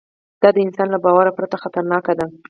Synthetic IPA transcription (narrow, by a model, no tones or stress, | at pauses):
d̪̥ɑd̪əɪnsɑnlabɑwaɾapɾat̪axat̪aɾnɑkad̪a